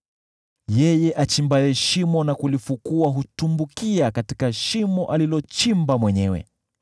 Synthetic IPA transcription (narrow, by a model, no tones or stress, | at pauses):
jɛjɛʔat͡ʃimbajɛʃimɔnakulifukuaɦutumbukiakatikaʃimɔʔalilɔt͡ʃimbamwɛɲɛwɛ̰